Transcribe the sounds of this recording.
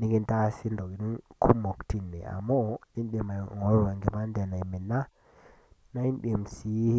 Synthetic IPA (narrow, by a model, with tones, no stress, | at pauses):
ni˨˦ɡi˦nta˦si˦ndo˨ɡi˨nu˦nkʰu˦mo˨kti˦˨nːḛ˨a̰˨mo˦i˦nɗe˨ma˨ŋo˨˦wa˨ŋɡi˨ma˦nde˨na˨jmi˨nːa˦ | na˦i˦nɗe˨msi˨˦